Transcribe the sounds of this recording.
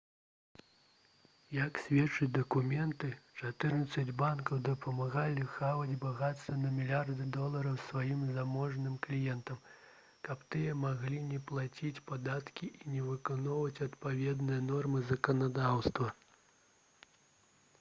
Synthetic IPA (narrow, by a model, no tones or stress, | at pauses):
jɐksʲvʲɛt͡ʂɨd͡zʲd̪ɐkumʲɛnt̪ɨt͡ʂat̪ɨrnɐt̪sːɐd͡zʲbankɐwd̪ɐpʰɐmaɣalʲixavɐd͡zʲbaɣat̪st̪vɐnɐmʲilʲard̪ɨd̪ɔlˠɐɾɐwsvajimzamɔʐnɨmklʲijɛnt̪ɐm | kɐpt̪ɨjɐmaɣlʲinʲɛplˠat͡sʲit͡sʲpad̪at̪kʲiʔinʲɛvɨkanɔwvɐt͡sʲɐt̪pavʲɛd̪nɨjɐnɔrmɨzɐkɐnad̪awst̪vɐ